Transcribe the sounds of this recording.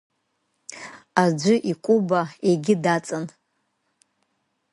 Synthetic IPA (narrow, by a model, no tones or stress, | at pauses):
ad͡ʒʷʊʔikʷʼubaeɡʲɪdat͡sʼan